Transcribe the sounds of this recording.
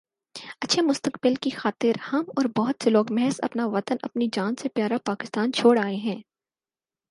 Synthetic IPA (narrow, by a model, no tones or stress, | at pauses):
ɐtːʃʰemʊst̪əkbɪlkixaːt̪ɪɾhɐmɔːɾbɔːʊt̪seloːkmɛɦəzɐ̰pnaʋɐt̪ənɐ̰pnid͡ʒaːnsepjaːɾapaːkɪst̪aːnt͡ʃʰoːɽaːeɦɛ̃ː